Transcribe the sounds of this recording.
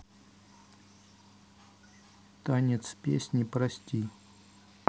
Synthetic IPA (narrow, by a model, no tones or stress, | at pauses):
t̪anʲɛt̪spʲḛsʲnʲipɾɐsʲtʲi